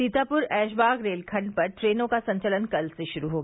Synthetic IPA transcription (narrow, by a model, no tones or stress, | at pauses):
it̪aːpʊɾɛːʃ̬baːɡɾeːlkʰɐ̃ɳɖ̚pɐɾʈɾeːnõkasɐ̃ɲt͡ʃələnkɐlseʃʊɾuɦoːɡaː